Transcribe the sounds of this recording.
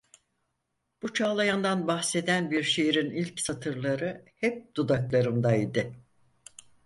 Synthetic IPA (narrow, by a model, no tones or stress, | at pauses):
b̥ut͡ʃʰaːlˠajand̪anbahse̞d̪ænbiɾʃejiɾinilʲcsat̪ʰɯɾlˠaɾɯhɛp̚d̪̥ud̪aklˠaɾɯmd̪aid̪ɪ